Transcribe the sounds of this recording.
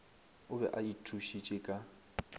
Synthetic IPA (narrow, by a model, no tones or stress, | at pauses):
ʊbɛ̰ʔaitʰuʃit͡ʃʼɪkʼa